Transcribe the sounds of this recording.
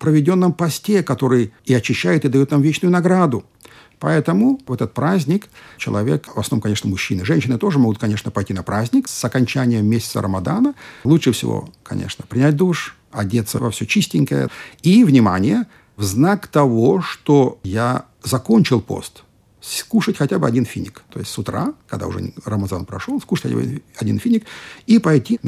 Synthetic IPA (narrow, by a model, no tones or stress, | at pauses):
pɾəvʲɪdʲo̞nːəmpɐsʲtʲe̞kɐt̪o̞ɾɨjiɐt͡ɕɪɕːæjʊt̪ɨd̪ɐjot̪namvʲet͡ɕnʊjʊnɐɡɾad̪ʊ | pɐɛt̪əmʊvɛt̪ət̪̚pɾazʲnʲɪkt͡ɕɪlˠɐvʲe̞kvɐsnomkɐnʲe̞ʂnəmːʊɕːinɨʐɛnʲɕːɪnɨt̪o̞ʐɨmo̞ɡʊt̪̚kɐnʲe̞ʂnəpɐjtʲinɐpɾazʲnʲɪksɐkɐnʲt͡ɕænʲɪjəmʲːesʲɪt̪sə̰ɾʔəmɐd̪anəlˠuʂɨfsʲɪ̰vo̰kɐ̰nʲʔḛʂnəpɾʲɪnʲæt̚ʲd̪uʂ | ɐdʲet̪səvɐfsʲot͡ɕisʲtʲɪŋʲkəjə̰ivnʲɪmanʲɪjə | vznakt̪ɐvoʂt̪oja | zɐko̞nʲt͡ɕɪlˠpo̞̰st̪ | skuʂətʲxɐtʲabɨɐdʲinfʲinʲɪkt̪o̞jɪstʲsʊt̪ɾa̰kɐɡd̪a̰ʊ̰ʐɛ̰rəmɐzanpɾɐ̰ʂolˠskuʂətʲɐdʲinfʲinʲɪkipɐjtʲi